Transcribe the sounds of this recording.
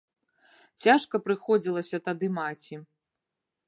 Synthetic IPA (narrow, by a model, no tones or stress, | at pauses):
t͡sʲaʂkɐpɾɨxɔd͡zʲilˠɐsʲɐt̪ad̪ɨmat͡sʲi